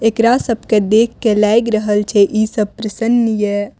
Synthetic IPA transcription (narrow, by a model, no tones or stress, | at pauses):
ekɾasəb̚ʱked̪ekʰːelajɡɾəɦəlt͡ʃʰɛʔisəb̚pɾəsənːje